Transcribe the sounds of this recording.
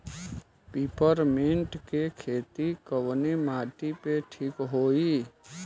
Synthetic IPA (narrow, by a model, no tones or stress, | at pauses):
piːpəɾmɪ̃ɳʈkekʰeːt̪ikəʋnemaːʈipeʈʰiːkɦoːi